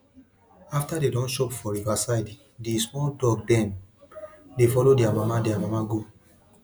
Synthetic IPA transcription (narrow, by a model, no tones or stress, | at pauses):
aftadedɔ̃nʃɔpfɔɹivasaɪd | dismɔldɔɡ̚dɛ̃n | defɔlodiamamadiamamaɡo